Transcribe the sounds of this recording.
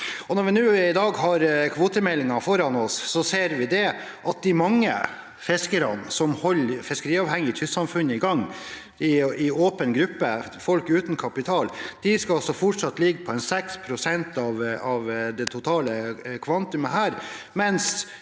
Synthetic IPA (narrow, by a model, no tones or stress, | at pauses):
ɔnɔɾʋɪnʉːɪd̪ɑːɡɦɑɾkʰʋoːt̪əmɛlɪŋɑfɔɾɑnɔssɔseːɾʋɪd̪ɛ | ʔɑt̪̚d̪ɪmɑŋːə̰ | fɛskəɾɑ̰nsɔmhɔlːfɪskəɾiːɑːʋhɛŋːɪɪt̪ʰʏssɑmfʉnːəɪɡɑŋː | ɪɪoːpənɡɾʉpːəfɔlkʉːt̪n̩kʰɑpɪt̪ʰɑːld̪̥ɪskɑɑsɔfɔʈʂɑt̪ːlɪɡːəpʰɔɛnsɛkspʰɾʊsɛnt̪ɑʋɑʋd̪ɛt̪ʰʊt̪ʰɑːləkʰʋɑnt̪ʉməɦæːɾ | mɛns